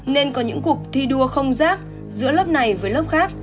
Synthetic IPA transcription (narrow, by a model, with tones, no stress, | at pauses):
ne˧nkɔ˨˦ɲɨ̰˧˥ŋku˨˩ək̚t̪ʰi˧ɗu˧əxə˧wŋ͡mzaː˦˥k̚ | zɨ̰˧˥ələː˦˥p̚na˨˩jvəː˨˦jləː˦˥p̚xaː˦˥k̚